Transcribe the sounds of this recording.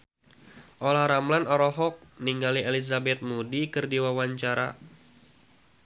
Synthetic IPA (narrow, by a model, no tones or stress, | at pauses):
ʔolahɾamlanɔɾɔɦɔk̚niŋɡalielizabɛt̪̚mudikɨrdiwawaɲt͡ʃaɾa̰